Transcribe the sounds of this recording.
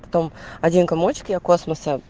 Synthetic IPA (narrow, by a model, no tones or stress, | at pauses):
pɐ̥t̪omɐdʲinkɐmot͡ɕkʲɪɐkosməsə